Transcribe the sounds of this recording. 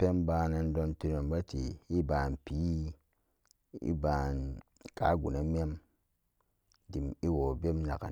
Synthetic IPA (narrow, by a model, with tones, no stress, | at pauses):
pe˦mba˧na˧ndo˧ntu˧no˨mɡa˦tḭ˨i˦ba˨npi˨˦ | ḭ˦ba˨n | ka̰˦ɡṵ˨na˨m˦e˦m | di˨mi˦wo˨be˦mna˨ka̰˨